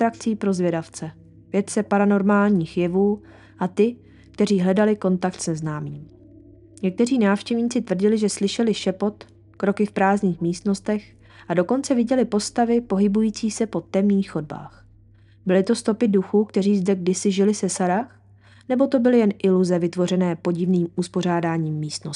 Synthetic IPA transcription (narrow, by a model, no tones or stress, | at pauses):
t̪ɾak̚t͡siːpɾo̞zvjɛdaft͡sɛ | vjɛt̪t͡sɛpaɾano̞ɾmaːlɲiːxjɛvuː | ʔat̪ɪ | k̚t̪ɛriːɦlɛdalɪko̞nt̪ak̚t̪sɛznaːmiːm | ɲɛk̚t̪ɛr̝iːnaːfʃcɛvɲiːt͡sɪt̪vr̩ɟɪlɪʒɛslɪʃɛlɪʃɛpo̞t̪ | kɾo̞kɪfpɾaːzɲiːxmiːst̪no̞st̪ɛx | ʔado̞ko̞nt͡sɛvɪɟɛlɪpo̞st̪avɪpo̞ɦɪbujiːt͡siːsɛpo̞t̪ɛmɲiːxːo̞d̚ba̰ːx | bɪlɪt̪o̞st̪o̞pɪduxuːkt̪ɛriːzdɛɡdɪsɪʒɪlɪsɛsaɾax | nɛbo̞t̪o̞bɪlɪjɛnʔɪluzɛvɪt̪vo̞rɛnɛːpo̞ɟɪvniːmuspo̞r̝aːdaːɲiːmːiːst̪no